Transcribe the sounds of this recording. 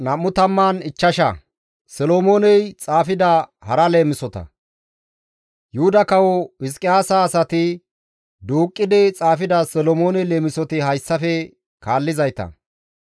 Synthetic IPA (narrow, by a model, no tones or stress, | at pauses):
nɐmːʊt̪ɐmːaːnɪt͡ʃːɐʃɐ̰ | sɛloːmoːnɛjt͡sʼaːfɪd̪ɐhɐɾɐle̞ːmɪsɔt̪ɐ̰ | jʊhʊd̪ɐkɐwɔɪs̬kʼɪjaːsaːsɐt̪ɪ | d̪uːkʼːɪd̪ɪt͡sʼaːfɪd̪ɐsɛlɔmoːnɛle̞ːmɪsɔt̪ɪɦɐjsːɐfɛ | kaːlːɪzɐjt̪ɐ̰